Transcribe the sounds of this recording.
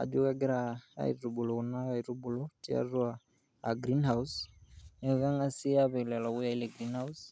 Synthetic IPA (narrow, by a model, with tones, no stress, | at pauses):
a̰˨d͡ʒu˦ka˦ɡɛ˦ɾa˨a̰˦ḭɾu˨bu˨lɔ˨u˨na˦ɣaiɾu˦bu˨lɔ˦ti˦a̰˦ɾu˦aː˨ | ɡɾi˦nha˨usɛ˨ɣa˦ŋa˦si˦a˦βɛ˨lɛ˨la˨wu˦ja˦i˦lɛ˨ɡɾi˦nha˦us